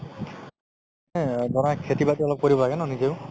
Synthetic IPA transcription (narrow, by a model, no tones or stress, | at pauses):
ɛdɔnakʰetibatiɔlɔp̚koɹibɔlaɡɛnɔnizeʊ